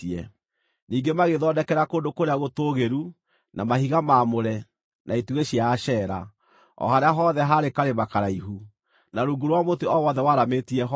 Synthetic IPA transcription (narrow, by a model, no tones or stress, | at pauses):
iɛ | niːŋɡemaɣeðɔdɛkɛɾakondokoɾeaɣotoːɣeɾu | namahiɣamaːmoɾɛ | nʔaituɣeɕiaːʃɛɾa | ɔ̰ɦaɾeaɦɔðɛɦaɾekaɾemakaɾaiɦu | naɾuɡuɾwamoteɔwɔðɛwaɾametiɛɦ